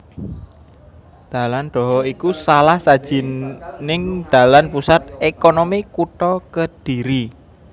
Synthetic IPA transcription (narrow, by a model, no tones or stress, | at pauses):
d̪̥ä̤land̪̥ɔ̤ɦɔikusalahsad̥ʒ̥i̤nnɪŋd̪̥ä̤lanpusat̪̚ekonomikuʈ̪ɔkəd̥i̤ɾi